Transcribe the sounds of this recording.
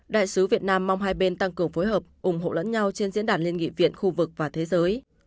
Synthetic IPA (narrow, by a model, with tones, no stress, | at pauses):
ɗa̰ː˧˨jsɨ˨˦vi˨˩ət̚naː˧mːa˧wŋ͡mɦaː˧jɓe˧nt̪a˧ŋkɨ˨˩əŋfo˨˦jɦəː˨˩p̚ʔʊ˧˩ŋ͡mɦo̰˧˨lə̰˧˥nɲa˧wt͡ɕe˧nzḭ˧˥ənɗaː˨˩n̚li˧əŋḭ˧˨vḭ˧˨ənxu˧vɨ˨˩k̚vaː˨˩t̪ʰe˨˦zəː˨˦j